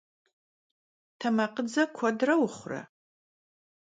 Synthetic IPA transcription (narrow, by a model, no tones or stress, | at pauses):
tʰɐmɐqəd͡zɐkʷʰɔdrɐwʊχʷrɐ̰